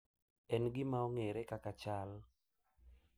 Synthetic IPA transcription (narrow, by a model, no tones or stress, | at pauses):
ɛnɡɪmaɔŋeɾɛkakat͡ʃal